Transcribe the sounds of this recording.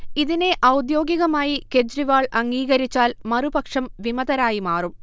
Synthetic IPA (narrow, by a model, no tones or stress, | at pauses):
iðine̞ʔɐwd̪jo̞ːɡiɣɐmaːjike̞d͡ʑɾiʋaːɭɐŋɡiːɣɐɾit͡ɕːaːlmɐrubɐkʂɐmʋimɐðɐɾaːjimaːrum